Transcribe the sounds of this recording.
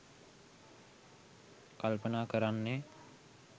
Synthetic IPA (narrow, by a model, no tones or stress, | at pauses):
kalpənaːkəɾanːe